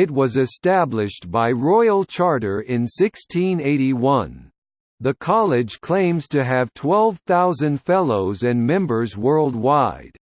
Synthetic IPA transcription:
ɨt̚wʌzɨstæblɪʃtb̥aɪɹɔɪl̩ˠt͡ʃʰɑɹɾə˞ʔɪ̃nsɪkstʰĩneɪɾiwʌ̃n | ðɨkʰɑlˠɪd͡ʒʒ̥kʰl̥ẽɪ̃mz̥tʰɨɨv̥tʰw̥ɛlˠv̥θaʊzɨ̃ndfɛlˠoʊzɨ̃nmɛ̃mbə˞zwɜ˞lˠd̚waɪd̥

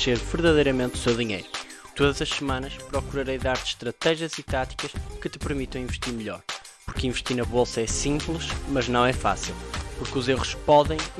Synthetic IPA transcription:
eɾvɨɾðɐðɐjɾɐmẽnt̪u̥sewðiɲejɾu | t̪oðɐzɐʃsɨmɐ̃nɐʃpɾɔkuɾɐɾejðaɾt̪ʃt̪ɾɐt̪ɛʒiɐzit̪at̪i̥kɐʃkɨt̪ɨ̥pɨɾmit̪ɐ̃w̃ĩvɨʃt̪iɾmɨʎɔɾ | puɾkĩvɨʃt̪iɾnɐβolˠsɐɛsĩmplˠɨʃmɐʒnɐ̃w̃ɛfa̰silˠpuɾkuzeʁuʃpɔðẽj̃

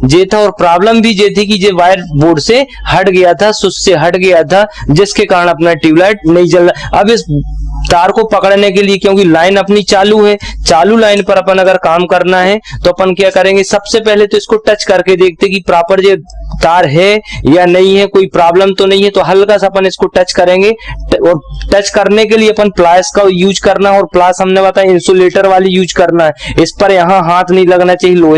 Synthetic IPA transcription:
d͡ʒeːt̪ʰaɔːɾpɾaːbləmbʱid͡ʒeːt̪ikid͡ʒeʋaːɪəɾboːɖsehɐʈɡɐjat̪ʰasʊsseɦɐʈɡɐjat̪ʰad͡ʒɪskekaːɾənɐpnaʈiːʋlaːɪʈ̚nɐɦĩd͡ʒɐlːaɐbɪst̪aːɾkopɐkəɽnekeliekjõːkilaːɪnɐpnit͡ʃaːluɦɛːt͡ʃaːlulaːɪnpɐɾɐpənɐɡəɾkaːmkɐɾnaɦɛt̪oɐpənkjakɐɾẽːŋɡesɐbsepɛɦlet̪oɪskoʈɐt͡ʃkɐɾked̪eːk̚ʰt̪eɦkipɾaːpəɾd͡ʒed̪aːɾɦɛjanɐɦĩɦɛkoːipɾaːbləmt̪onɐɦĩɦɛt̪oɦɐlkasɐpənɪskoʈɐt͡ʃkɐɾẽːŋɡeɔːɾʈɐt͡ʃkɐɾnek̬elieɐpənplaːskajuːd͡ʒkɐɾnaɦɛɔːɾplaːsɦɐmnebɐt̪aːɛɪ̃nsoleːʈəɾʋaːlijuːd͡ʒkɐɾnaɦɛɪspɐɾjɐɦãɦaːt̪ʰnɐɦĩlɐɡnat͡ʃaːɦieloːɛ

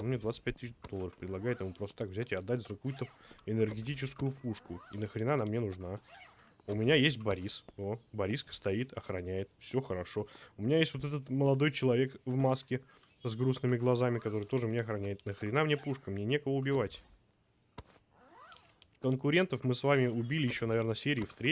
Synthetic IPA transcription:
onmnʲed̪vat̪sɨ̥t̚ʲpʲɛt̚ʲt̪ːɨɕd̪o̞lːˠəɾəfpɾʲɪd̪ˠɐɡajɪt̪jɪmupɾost̪ə̥t̪akvzʲætʲɪɐd̪ːatʲzəkɐkujʊt̪əɪnɨrɡʲɪt̬ʲit͡ɕɪskʊjʊpuʂkʊinəxɾʲɪnanamːnʲenʊʐna | ʊmʲɪnʲajesʲt̚ʲbɐɾʲisobɐɾʲiskə̥st̪ɐit̪ɐxɾɐnʲæjɪt̪fsʲoxəɾɐʂo̞ʊmʲɪnʲajesʲtʲvot̪̬ɛt̪ət̪məlˠɐd̪o̞jt͡ɕɪlˠɐvʲekvmaskʲɪ | zɡɾusnɨmʲɪɡlˠɐzamʲɪkɐt̪oɾɨjət̪̞ʐɨmnʲeɐxɾɐnʲæjɪt̪nəxɾʲɪnamnʲe̞puʂkəmnʲenʲekəvəʊbʲɪvatʲ | kənkʊɾʲe̞nt̪əfmɨsvamʲɪʊbʲilʲɪjɪɕːo̞nɐvʲe̞rnəsʲeɾʲɪːft̪ɾʲe

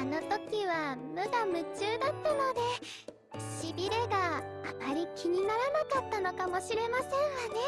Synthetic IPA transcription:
ano̞t̪o̞kʲiβamɯ̟d̪amɯ̟t͡ɕɨːd̪at̪ːano̞d̪e̞ | ɕibʲiɾeɡaamaɾʲikʲiɲ̟inaɾanakat̪ːano̞kamoɕiɾe̞masẽ̞ɰ̃βane̞

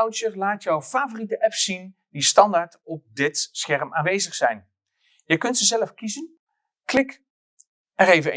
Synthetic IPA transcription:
wt͡ʃəlaːtjɔwfaːvoritəʔɛpsin | distɑndaːɹtɔp̚dɪtsχɛrmaːnʋejzəχsɛjn | jəkɵntsəzɛləfkizən | klɪk | ɛɾejvən

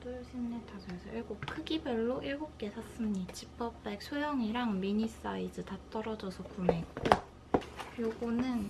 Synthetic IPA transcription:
tojɕʰinːetʰasʌjsʰʌiɭɡokʰɯɡibʌɭːoʔiɭɡop̚k͈e̞sʰas͈ɯmɲit͡ɕip͈ʰʌpp͈ek̚sʰojʌŋiɾaŋmiɲis͈aid͡ʑɯtat͈ʌɾʌd͡ʑʌsʰʌkumeŋ | joɡonɯn

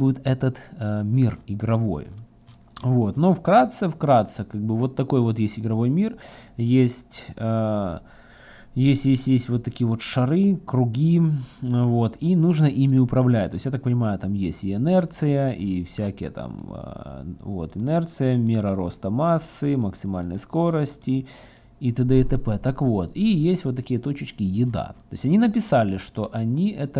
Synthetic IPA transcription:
buɪt̪ɛt̪ət̪mʲirɪɡɾɐvo̞̰j | vo̞t̪no̞fkɾat̪sɨfkɾat̪sɨkaɡ̚bɨvo̞t̪ːɐko̞jvo̞t̪jesʲtʲɪɡɾɐvo̞jmʲirjesʲtʲə | jesʲtʲjesʲtʲjesʲtʲvo̞t̪ːɐkʲijəvo̞t̪ʂɐɾɨkɾʊɡʲi | vo̞t̪inuʐnəʔimʲɪʊpɾɐvlʲæt̚ʲt̪o̞sʲjat̪ak̚pənʲɪmajʊt̪amjesʲtʲɪɛnɛrt̪sɨjəʔifsʲækʲɪjə̰t̪a̰mə̰vo̰t̪ɨnɛrt̪sɨjəmʲɪɾəɾo̞st̪əmasːɨməksʲɪmalʲnə̰jsko̞ɾəsʲtʲɪ | it̪əd̪ət̪ɛpɛt̪akvo̞t̪ijesʲtʲvot̪ːɐkʲijət̪o̞t͡ɕɪt͡ɕkʲɪjɪd̪a̰t̪o̞ɪsʲɐnʲinəpʲɪsalʲɪʂt̪o̞ʔɐnʲiʔɛt̪ə

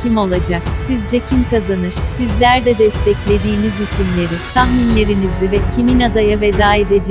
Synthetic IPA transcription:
cʰimo̞lˠad͡ʒaksizd͡ʒecʰimkazanɯɾ̥sizlʲæɾd̪ɛd̪ɛst̪ʰɛclʲe̞d̪iːnizysymlʲe̞ɾit̪ʰaxminlʲe̞ɾinizivɛcʰiminad̪ajavɛd̪aːid̪ed͡ʒ

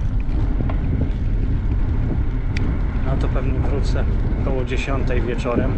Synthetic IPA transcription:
nat̪ɔpɛvɲɛvɾut̪sɛkɔwɔd͡ʑeɕɔnt̪ɛjvʲjɛt͡ʂɔɾɛm

